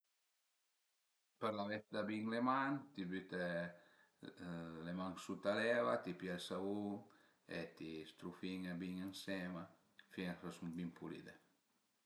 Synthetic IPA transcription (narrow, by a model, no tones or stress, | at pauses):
peɾlaβesd̪abiŋlemant̪ibyt̪e | lemaŋsut̪alɛβat̪ipjalsaβuŋ | ḛt̪ist̪ɾufiŋabiŋeŋsɛma | fieasumbimpulḭd̪e